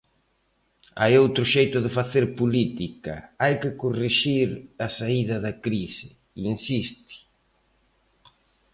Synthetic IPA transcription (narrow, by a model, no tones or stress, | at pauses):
a̰jowt̪ɾʊʃejt̪ʊðɪfaθeɾpolit̪ikɐ̰ajkɪkoreʃiɾasaiðɐðɐkɾisɪ | insist̪ɪ̥